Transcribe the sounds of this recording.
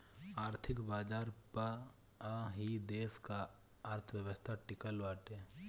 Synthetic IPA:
aːɾt̪ʰɪkbaːd͡ʒaːɾpa | ɦid̪eːska | aːɾt̪ʰəʋjəʋəst̪ʰaʈɪkəlʋaːʈe

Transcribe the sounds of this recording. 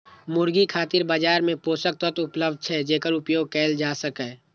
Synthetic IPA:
mʊɾɡikʰaːt̪ɪɾbad͡ʒaːɾmẽpoːsək̚t̪ɔt̪ʊpləbd̪̚ʱt͡ʃʰɛd͡ʒeːkəɾʊpjoːɡ̚kɛːld͡ʒaːsəkɛː

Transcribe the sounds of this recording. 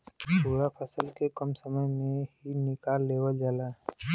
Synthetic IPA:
t̪uːɽapʰəsəlkekəmsəməjmẽɦinɪkaːɾːeːwəld͡ʒaːla

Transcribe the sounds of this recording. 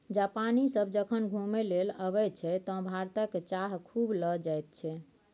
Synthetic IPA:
d͡ʒapanisəbd͡ʒəkʰənɡʱumeleləβɛt͡ʃʰɛt̪ɔ̃bʱaɾt̪əkt͡ʃaɦkʰubləd͡ʒajt̪̚t͡ʃʰɛ

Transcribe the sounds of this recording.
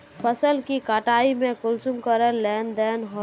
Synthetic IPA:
pʰəsəlkikaʈaimẽkulsumkəɾəllɛnd̪ɛnɦo

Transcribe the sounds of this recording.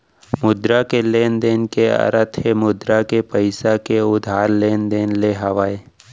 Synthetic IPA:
mʊd̪ɾakeleːnd̪eːnkeə̰ɾət̪ʰɦemʊd̪ɾakepəɪsakeʊd̪ʱaːɾleːnd̪eːnleɦəʋae

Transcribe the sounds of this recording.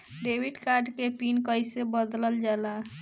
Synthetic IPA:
ɖebiɖkaɾɖkepinkəjsebəd̪ləld͡ʒala

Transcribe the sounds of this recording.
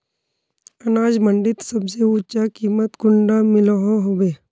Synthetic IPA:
ɐnaːd͡ʒməɳɖɪt̪səbseʊt͡ʃakiːmət̪ɡʊɳɖamɪləɦõɦobeː

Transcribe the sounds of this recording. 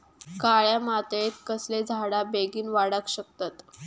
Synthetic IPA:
kaɭjamat̪et̪̚kəsled͡zʱaɽabeɡiːnʋaɽəkɕək̚t̪at̪

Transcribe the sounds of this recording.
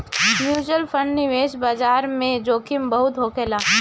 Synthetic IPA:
mjuːd͡ʒəlpʰə̃ɳɖnɪʋeːʃbaːd͡ʒaːɾmẽd͡ʒoːkʰɪmbəɦʊt̪ɦoːkeːlaː

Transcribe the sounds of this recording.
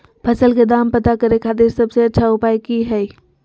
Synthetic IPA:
pʰəsəlked̪ampət̪akəɾekʰat̪̬iɾsəbseətːʃʰaʊpajkiɦɛj

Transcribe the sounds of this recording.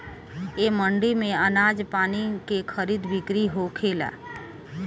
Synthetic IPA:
eːməɳɖimẽənaːd͡ʒpaːnikekʰəɾiːd̪bɪkɾiɦokʰeːla̰ː

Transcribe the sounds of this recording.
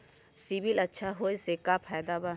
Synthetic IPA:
sibilɐtːʃʰaɦoːjsekapʰɛːd̪aba

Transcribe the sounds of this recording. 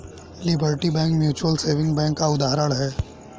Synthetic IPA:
lɪbəɾʈibɛ̃ːŋkmjuːt͡ʃuwəlseːʋɪ̃ŋɡbɛ̃ːŋkːaʊd̪aːɦɾəɽɦɛː

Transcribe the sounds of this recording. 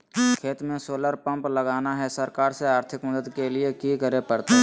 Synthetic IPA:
kʰeːt̪mẽsoːləɾpə̃mpləɡaːnaɦɛsəɾkaːɾseaːɾt̪ʰɪkməd̪əd̪kelɪekikəɾepəɾt̪a

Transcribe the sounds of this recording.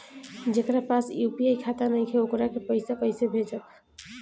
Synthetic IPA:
d͡ʒekɾapasjupiejkʰat̪anəjkʰeokɾakepəɪsakəɪsebʱed͡ʒək

